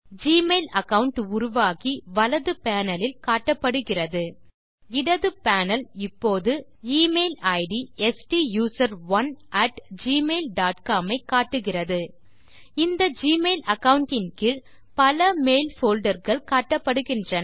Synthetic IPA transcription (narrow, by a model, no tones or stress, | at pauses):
d͡ʒiːmeːlɐkɐʋʊɳʈʊɾʊʋaːɣiʋɐlɐðɯpaːnɐlɪlkaːʈːɐpːɐɽɯɣɪrɐðɯ | ɪɽɐðɯpaːnɐlɪpːoːðɯ | iːmeːlɐɪɽiɛsʈijuːsɐɾʋɐnɐʈd͡ʒiːmeːlɖaːʈkaːmɐɪkːaːʈːɯɣɪrɐðɯ | ɪnd̪ɐd͡ʒiːmeːlɐkɐʋʊɳʈːɪnkɪɾ | pɐlɐmeːlfoːlɖɐɾɣɐɭkaːʈːɐpːɐɽɯɣɪndrɐn